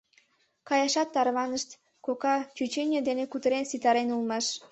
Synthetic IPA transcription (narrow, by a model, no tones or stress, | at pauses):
kɑjɑʃɑt̪ːɑrβɑnəʃt̪ | kokɑt͡ɕyt͡ɕenʲed̪enekut̪əɾensit̪ɑɾenulmɑʃ